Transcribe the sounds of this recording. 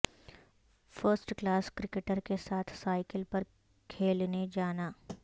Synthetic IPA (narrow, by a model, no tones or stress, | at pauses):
fəɾsʈklaːskɾɪkeʈəɾkesaːt̪ʰsaːɪkɪlpɐɾ | kʰeːlned͡ʒaːnaː